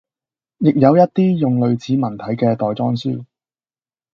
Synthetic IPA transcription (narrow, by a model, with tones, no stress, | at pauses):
jɪ˨k̚jɐ˨˧wjɐ˥t̚t̪iː˥jʊ˨ŋlɵ˨˧ɥt͡sʰiː˨˧mɐ˨˩nt̪ʰɐ˨˥jkɛː˧t̪ɔː˨jt͡sɔː˥ŋsy̰ː˥